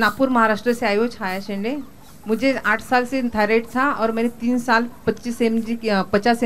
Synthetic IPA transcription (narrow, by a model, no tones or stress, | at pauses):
napuːɾməɦaɾaʂʈɾəseajod͡ʒajaɕə̃ɳɖe | mud͡ʑʱeaʈʰsalset̪ʰajɾeʈt͡sʰaɔːɾmənet̪iːnsalpətːt͡ʃiːsemd͡ʑipət͡ʃase